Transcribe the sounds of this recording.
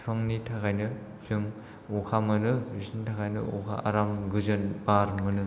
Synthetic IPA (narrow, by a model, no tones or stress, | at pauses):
tʰaŋnitʰakajnɯ | z̥ɯŋ | ukʰamɯnɯisnitʰakajnɯ̰ukʰa̰ʔaɾamɡɯzɯnbaɾmɯnɯ